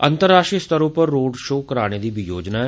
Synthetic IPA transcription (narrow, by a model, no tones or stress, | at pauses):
ə̰nt̪əɾːaːʃʈɾist̪əɾupəɾːoːɖʃoːkəɾaːɽ̃eːd̪iːbʱijoːd͡ʒnaːɛ